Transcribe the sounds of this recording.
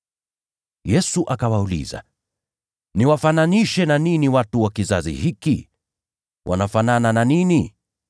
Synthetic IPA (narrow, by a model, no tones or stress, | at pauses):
jɛsuʔakawaulḭza̰ | niwafananiʃɛnaniniwatuwakizazḭhiki | wʔa̰nafananananini